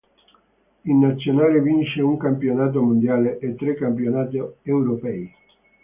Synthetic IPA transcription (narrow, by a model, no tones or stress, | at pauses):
inːat̪sːjonaːlevint͡ʃeuŋkampjonaːt̪̬omond̪jaːleʔːt̪ːɾekːampjonaːt̪eewɾopɛi